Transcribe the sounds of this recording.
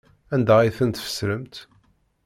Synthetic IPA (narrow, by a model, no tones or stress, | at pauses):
ænd̪æiθənt̪fə̥sːɾəmt̪